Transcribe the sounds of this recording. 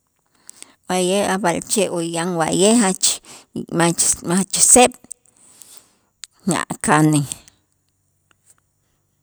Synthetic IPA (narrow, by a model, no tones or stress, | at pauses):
wajehabalt͡ʃeʔojaŋwa̰ʔjeɦat͡ʃmamahat͡ʃseɓ̥ | na̰ʔkani